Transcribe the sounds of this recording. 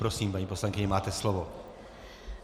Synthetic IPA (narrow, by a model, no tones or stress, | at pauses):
pɾosiːmpaɲiːposlaŋkɪɲɛmaːt̪ɛslovo